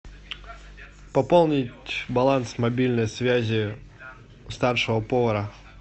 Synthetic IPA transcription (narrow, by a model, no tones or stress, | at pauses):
pɐpolˠnʲɪtʲbɐlˠansmɐbʲilʲnəjsvʲæzʲɪ | st̪arʂɨvəpovɐɾə